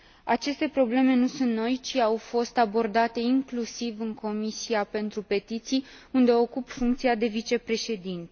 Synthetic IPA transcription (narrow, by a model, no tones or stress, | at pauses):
at͡ʃe̞st̪e̞pɾo̞ble̞me̞nusunt̪no̞jt͡ʃiawfo̞st̪abo̞rd̪at̪e̞iŋklusivɨŋkʰo̞misiape̞nt̪ɾupe̞t̪it̪sijund̪e̞o̞kupfuŋkt̪siad̪e̞vit͡ʃe̞pɾe̞ʃe̞d̪int̪e